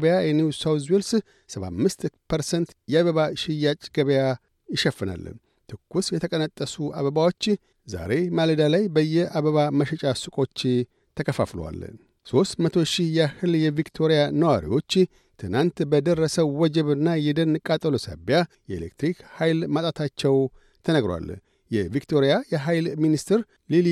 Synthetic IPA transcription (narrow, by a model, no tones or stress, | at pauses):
βəjajɛniwsawzwels | səβa̰mːɨst̪pʰəɾsənt̪jɛaβəβaʃɪjːat͡ʃʼɡəβəja | jɪʃɛfːɨna̰lː | t̪ʰɨkːusjɛt̪ʰəkʼənət̪ʼːəsua̰βəbawo̞t͡ʃː | za̰ɾe̞maləd̪alajbəjːɛaβəβaməʃɛt͡ʃʼasɨkʼo̞t͡ʃː | t̪ʰəkəfa̰flo̰wa̰lː | so̞st̪mət̪ʰo̞ʃihjɛahɨljɛvikt̪ʰo̞ɾijanəwaɾḭwo̞t͡ʃː | t̪ʰɨnant̪bəd̪ərːəsəwːɔd͡ʒɛβɨnːajɛd̪ənːɨkʼat̪ʼəlosa̰bjajɛelḛk̚t̪ɾikhajlmat̪ʼat̪ʰat͡ʃːɛw | t̪ʰənəɡɾowa̰l | jɛvikt̪ʰo̞ɾijajɛɦajlminist̪ɨɾ | lil